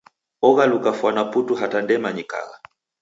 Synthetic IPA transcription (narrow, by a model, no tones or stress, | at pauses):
ɔɣalukafwanaputuɦatandɛmaɲika̰ɣa